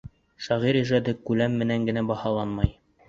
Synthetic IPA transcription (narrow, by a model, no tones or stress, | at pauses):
ʃɑʁiɾiʒɑd̪ɤkʉlæmːɘ̆næŋɡɘ̆næbɑhɑlˠɑnmɑj